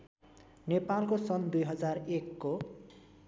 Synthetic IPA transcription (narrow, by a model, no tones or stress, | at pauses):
nepalkosʌnd̪ujɦʌd͡zarekːo